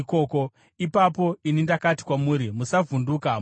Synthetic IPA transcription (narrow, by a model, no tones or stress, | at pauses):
koːko̞ | ipapo̞inindakati̥kwamuːɾimusavunduka